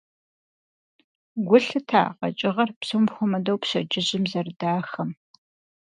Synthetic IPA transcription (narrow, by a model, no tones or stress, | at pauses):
ɡʷʊɬɨtʰa̰ːqɐ̰t͡ʃʼɪʁɐrpsowmxʷʊmɐdowpɕɐd͡ʒɪʑɪmzɐrdaːxɐm